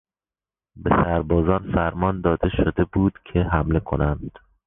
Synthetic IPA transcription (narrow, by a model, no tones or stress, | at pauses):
be̞sæɾbɒːzɒːnfæɾmɒːnd̪ɒːd̪e̞ʃod̪e̞buːd̪̥cʰe̞ɦæmle̞kʰo̞̰nænd̪̥